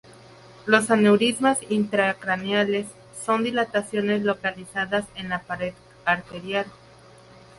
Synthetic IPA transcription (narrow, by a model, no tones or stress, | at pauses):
lo̞sanewɾizmasint̪ɾakɾanjale̞sː | o̞nd̪ilat̪asjo̞ne̞zlo̞kalisaðase̞nlapaɾeð | aɾt̪e̞ɾjal